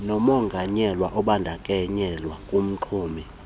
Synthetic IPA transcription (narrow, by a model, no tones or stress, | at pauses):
nɔmɔŋɡʱaɲɛlwaʔɔɓandʱakʼɛɲɛlwakʼum̩ǃʰuːmi